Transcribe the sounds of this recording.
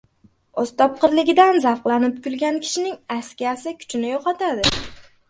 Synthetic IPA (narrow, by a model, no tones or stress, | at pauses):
ɒst̪ɒp̚qʰɨɾlɪɡʲɪd̪anzafqlˠanɪp̚kʲʊlɡʲankʲʰɪ̥ʃɪnɪŋaskʲiasɪkʲʰʊ̥t͡ʃʰɪnɪjoqɑt̪ʰad̪ɪ